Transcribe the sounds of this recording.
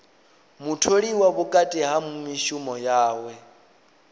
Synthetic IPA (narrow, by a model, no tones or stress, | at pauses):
mutʰoɺiwaβukʼatʼiɦamumiʃumɔjaːwɛ